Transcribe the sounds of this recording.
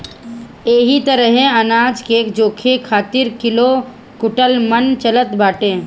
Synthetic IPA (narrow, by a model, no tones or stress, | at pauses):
eːɦit̪əɾəɦẽɐnaːd͡ʒkeːkd͡ʒoːkʰekʰaːt̪ɪɾkɪlo | kʊʈəlmənt͡ʃələt̪baːʈẽː